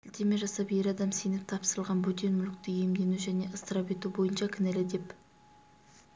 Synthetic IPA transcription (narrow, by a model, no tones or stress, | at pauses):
ɪlt̪e̞me̞ʒɑsɑpje̞ɾɑd̪ɑmsenɪp̚t̪ʰɑpsəɾəlˠʁɑnbʊd̪enmʏlɪk̚t̪ɪje̞md̪e̞nuʒæne̞ʔəst̪əɾɑpe̞t̪ubo̞jənʃɑkʲʰɪnælɪd̪e̞p